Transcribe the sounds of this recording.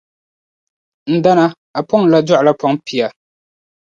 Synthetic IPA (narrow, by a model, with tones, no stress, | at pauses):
n̩˦da˦na˦ | a˨pɔ˦ŋ˨la˦d͡ʒɔ˦ʔla˦pɔ˦ŋpi˨a˨